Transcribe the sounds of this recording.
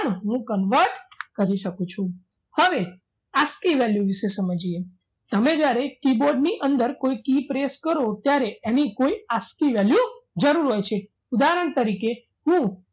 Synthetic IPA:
noɦũkənʋəɾʈkəɾiʃəkũt͡ʃʰũ | həʋe | askiʋɛljũʋiʃesəməd͡ʒie | t̪əmed͡ʒjaɾekiboɾɖniʔənd̪əɾkoikipɾeskəɾot̪jaɾeenikoiaskiʋɛljũd͡ʒəɾuɾɦojt͡ʃʰe | ud̪aɾəɳ̃t̪əɾike | ɦũ

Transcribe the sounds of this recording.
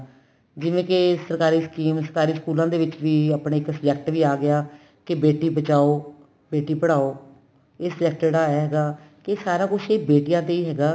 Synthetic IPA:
d͡ʒɪʋẽːkɪsəɾkaːɾiːskiːmsəɾkaːɾiːskuːlãːd̪eːʋɪt͡ʃʋiːaːpɳeːɪksəd͡ʒɛkʈʋiːaːɡɪaː | kɪbeːʈiːbət͡ʃaːoː | beːʈiːpəɽ̤aːoː | ɪsd͡ʒɛk̚ʈeːɽaːɛːɦɛːɡaː | kesaːɾaːkʊt͡ʃʰeːbeːʈijãːt̪eːiːɦɛːɡaː

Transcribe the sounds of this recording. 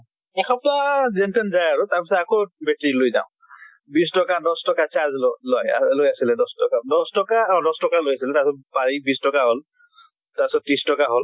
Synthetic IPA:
ɛkʰɔp̚tazɛntɛnzajaɹʊtaɹpisɔtakobɛtiɹlojza̰ʊ̃ | bistɔkadɔstɔkat͡ʃaɹzllɔjalojasilɛdɔstɔkadɔstɔkaɔ̃dɔstɔkalojasilɛtasɔt̚paɹibistɔkaɦol | tapisɔt̚tːɹistɔkaɦol

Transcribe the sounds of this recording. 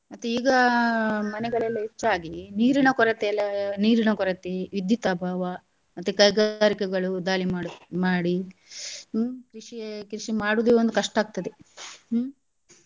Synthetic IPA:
mɐt̪ːeiːɡɐ | mɐnɛɡɐɭɛlːɐɦet͡ʃːaːɡiniːɾinɐkɔɾɐt̪eːlːɐniːɾinɐkɔɾɐt̪eʋid̪ʱːit̪ɐbʱaːʋɐ | mɐt̪ːekɐjɡaaːɾikɛɡɐɭud̪aːlimaːɽmaːɽi | kɾiʂikɾiʂimaːɽud̪eond̪ukɐʂʈaːɡ̚t̪ɐd̪e

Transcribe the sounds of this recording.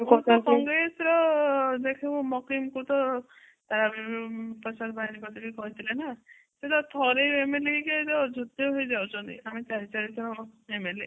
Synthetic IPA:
kɔaskɔŋɡɾesɾɔd̪ekʰekumɔkimkut̪ɔ | t̪aɾabipɔsad̪baɦinikɔt̪ʰekikɔɦit̪ʰilena | set̪ɔt̪ʰɔɾejemeleiket̪ɔd͡ʒʱot̪jɔɦojd͡ʒawt͡ʃʰɔnt̪ḭamit͡ʃaɾit͡ʃaɾit̪ʰɾɔemele

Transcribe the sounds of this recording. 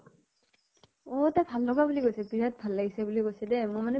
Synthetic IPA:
ɔtabʱalːɔɡabulikojsɛpiɹat̚bʱalːaɡisɛbulikojsɛdɛmʊmanɛ

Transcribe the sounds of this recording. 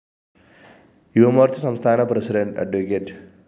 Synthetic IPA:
iʋɐmoːɾt̪ʰusɐmst̪ʰaːɳɐpɾɐsiɖɐɳʈɐ̰ɖʋekeʈ

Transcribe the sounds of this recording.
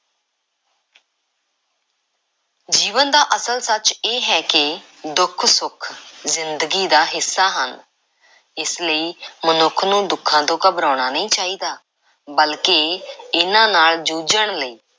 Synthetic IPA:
d͡ʒiːʋənd̪aːʔəsəlsət͡ʃeːɦɛːkɪ | d̪ʊkʰsʊkʰzɪnd̪əɡiːd̪aːɦɪsːaːɦən | ɪsləiːmənʊkʰnũːd̪ʊkʰːãːt̪õːkəbɾaːɽ̃aːnəĩːt͡ʃaːiːd̪aː | bəlkeːɪnãːnaːld͡ʒuːd͡ʒəɳləiː

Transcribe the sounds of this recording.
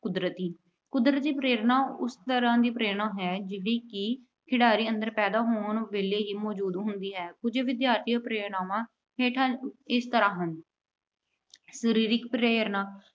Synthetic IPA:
kʊd̪ɾət̪iː | kʊd̪ɾət̪d͡ʒiːpɾeːɾnãːʊst̪əɾãːd̪iːpɾeːɽãːɦɛːd͡ʒɪːɽiːkɪ | kʰɪɽaːɾiːə̃nd̪əɾpɛːd̪aːɦoːɳʋeːleːɦiːmɔːd͡ʒuːd̪ɦʊnd̪iːɦɛːkʊd͡ʒʋɪd̪jaːɾt̪ʰiːpɾeːɽaːʋãː | ɦeːʈʰãɪst̪əɾãːɦən | səɾiːɾɪkpɾeːəɾnaː

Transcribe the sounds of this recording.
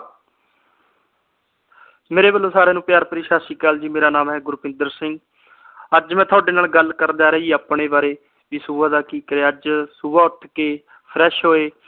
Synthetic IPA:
meːɾeːbəlːoːsaːɾeːnũːpjaːɾpəɾɪːʃaːsiːkaːld͡ʒiːmeːɾaːnaːmɦɛːɡʊɾupɪ̃nd̪əɾsɪŋɡ | əd͡ʒmɛ̃ːt̪ʰʊaːɖeːnaːlɡəlkəɾd̪aːɾeːiːaːpɳeːbaːɾeː | ʋiːsuʋaːd̪aːkiːkəɾeːəd͡ʒsʊʋaːʊʈkeː | pʰɾɛːʃɦoːeː

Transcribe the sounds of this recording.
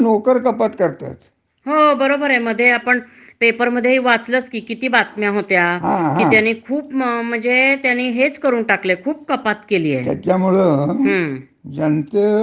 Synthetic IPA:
nokəɾkəpat̪kəɾt̪a̰t̪ | ɦobəɾobəɾem̤əd̪ʱːjeapəɳ | pepəɾməd̪ʱːjeɦiːʋat͡slət͡skiːkit̪iːbat̪mjãɦot̪jaɦãɦĩjanːiːkʰuːpmm̤əɳd͡zet̪janːiːɦet͡skəɾuːnʈaklekʰuːp̚kəpat̪keliːjḛt̪ja̰tjamuɭeəɦə̃ | d͡zənt̪e

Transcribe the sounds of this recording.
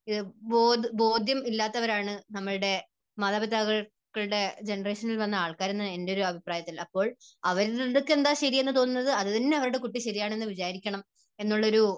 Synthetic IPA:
iðɨboːd̪bo̞ːd̪jɐmilːaːt̪ːɐʋɐɾaːɳɨnɐmːɐɭɨɽe̞ | mɐðɐbɐt̪ːaːɣɐ | kːɐɭɨɽe̞d͡ʑe̞nɐreːʂɐnilʋɐnːɐaːɭkaːɾenːɨe̞ndeo̞ɾuɐbʱipraːjɐt̪ːilɐpːo̞ːɭɐʋɐɾiðokːe̞nd̪aːɕɐɾije̞nːɨt̪o̞ːnunːɐðɨɐðɐðinːeɐʋɐɾuɽe̞kuʈːiɕɐɾijaːɳe̞nːɨʋid͡ʑaːɾikʲːɐɳɐm | e̞nːuɭːɐoɾu

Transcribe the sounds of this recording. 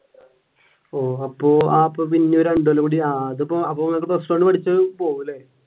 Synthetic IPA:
oːɐpːoːaːpːoːpinːeoɾuɐɳɖɐlɐkuɽiaːɐðupːoɐpːoːɐkːɨprɐsʈɐoɳɖɨpɐʈʰit͡ɕːɐpoːʋilːe

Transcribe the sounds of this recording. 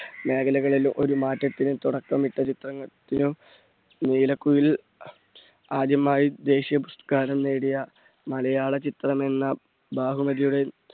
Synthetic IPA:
me̞ːɡɐlɐɣɐɭilumʔo̞ɾumaːtːɐt̪ːinɨt̪uɽɐkːɐmiʈːɐt͡ɕit̪rɐŋːɐt̪ːinɨ | niːlɐkːujil | aːd̪jɐmaːjid̪e̞ːɕijɐbust̪ɐkaːɾɐmneːɽijɐ | mɐlɐjaːɭɐt͡ɕit̪rɐme̞nːɐ | baːɦumɐðijuɽe̞

